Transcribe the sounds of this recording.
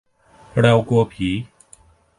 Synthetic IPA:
ɽa˧wku˧əpʰiː˨˦

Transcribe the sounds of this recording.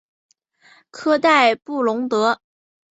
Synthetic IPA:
kʰɤ˥t̪a˥˧ɪpu˥˩lʊ˧˥ŋt̪ɤ˧˥

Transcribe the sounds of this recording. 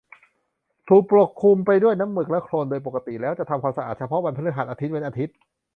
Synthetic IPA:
t̪ʰuː˨˩k̚pɾo˨˩kʰːu˧mpa˧jdu˥˩əjna˦˥mːɯ˨˩k̚lɛ˦˥kʰɾoː˧ndoː˧jpo˨˩ka˧t̪i˨˩lɛː˦˥wt͡ɕa˨˩t̪ʰa˧mkʰaː˧msa˧ʔa̰ː˨˩t̪̚t͡ɕʰpʰɔ˦˥ba˧npʰa˧˥nɯ˦˥kɦaː˨˩t̪̚aː˧t̪ʰi˦˥t̪̚pe˧nʔaː˧t̪ʰi˦˥t̪̚

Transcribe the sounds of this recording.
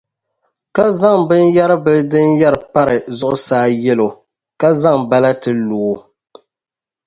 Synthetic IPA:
ka˦za˦ŋbɨ˦nja˦ɾɨ˦bɨ˦dɨ˦nja˦ɾɨ˨pa˦ɾɨ˨zʊ˦ʔʊ̰˦saː˦jɛ˦lo˨ | ka˦za˦ŋba˦la˦tɨ˦loː˨˦

